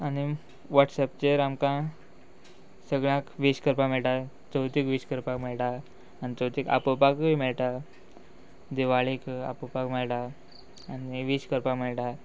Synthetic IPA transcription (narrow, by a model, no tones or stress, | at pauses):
ani | ʋaʈsɛp̚t͡ɕeɾamkã | səɡɭãkʋiɕkəɾpameɭʈa | t͡səwt̪ikʋiɕkəɾpakmeɭʈaː | ñit͡səwt̪ika̰pəpakimeɭʈ̪a | d̪iʋaɭika̰pəpakmɛɭʈ̪aː | niʋiɕkəɾpakmeɭʈa